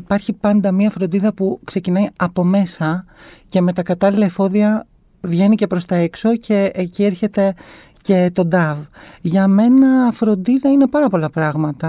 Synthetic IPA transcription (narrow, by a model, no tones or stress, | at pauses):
ipɐɾçipɐnd̪ɐmɲɐfɾo̞nd̪iðɐpukse̞cinɐiɐpo̞me̞sɐce̞me̞t̪ɐkɐt̪ɐlilɐifo̞ðiɐ | vʝe̞nice̞pɾo̞st̪ɐe̞kso̞cʰe̞ːcieɾçe̞t̪e̞ | ce̞t̪o̞d̪ɐvʝɐme̞nɐfɾo̞nd̪iðɐine̞pɐɾɐpo̞lɐpɾɐɣmɐt̪ɐ